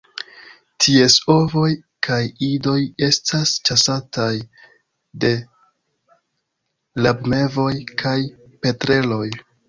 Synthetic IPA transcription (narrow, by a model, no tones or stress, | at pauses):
tʰie̞so̞vo̞j | kʰajido̞je̞stʰast͡ʃasataj | de̞ | labme̞vo̞jkʰaj | pe̞tɾe̞lo̞j